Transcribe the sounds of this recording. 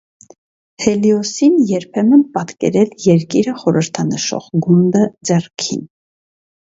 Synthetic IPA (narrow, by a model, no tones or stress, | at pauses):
hɛliɔsinjɛɾpʰɛmənpɑt̪kɛ̰ɾɛljɛɾkiɾəχɔɾəɾt̪ʰɑnəʃɔ̰ʁɡund̪əd͡zɛrkʰḭn